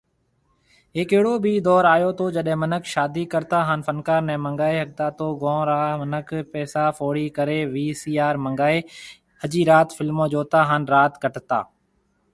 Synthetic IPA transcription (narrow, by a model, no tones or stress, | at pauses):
ɦeːkeɦɪɽoːbiːd̪ɔːɾaːjoːt̪oːd͡ʒəɗɦɛ̃ːmənəkʃaːd̪iːkəɾt̪aːɦaːnfənkaːɾnɛ̃ːmə̃ŋɡaːeːɦək̚t̪aːt̪oːɡõːɾaːmənəkʰpɛːsaːfoːɽiːkəɾeːʋiːsiːaːɾməŋɡaːeː | əd͡ʒiːɾaːt̪fɪlmõːd͡ʒoːt̪aːɦaːnɾaːt̪kəʈt̪a̰ː